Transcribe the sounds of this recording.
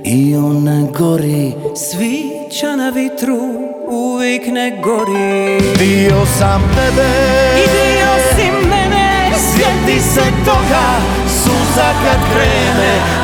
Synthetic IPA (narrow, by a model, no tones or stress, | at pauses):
iɔnaɡɔɾisʋi | t͡ʃanaʋit̪ɾu | uʋiknɛɡɔɾib̪iɔsamt̪ɛbɛid̪iosimɛnɛ | svjɛt̪lisɛt̪ɔka | suzakat̪vɾɛːmɛ